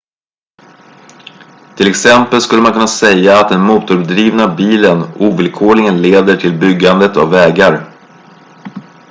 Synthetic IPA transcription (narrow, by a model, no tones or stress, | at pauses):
t̪ʰɪlɛksɛmpəlskɵlːəmankʰɵnːasɛjːaːt̪̚d̪ɛnmuːt̪ʊɾd̪ɾiːvnabiːlənuːvɪlkʰoːɭɪŋənleːd̪əʈʰɪlbʏɡːand̪ət̪a̰vːɛːɡaɾ